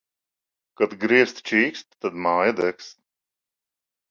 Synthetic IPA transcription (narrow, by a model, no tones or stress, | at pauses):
kat̪ɡɾiəst̪t͡ʃiːkst̪ːad̪maːjəd̪ɛks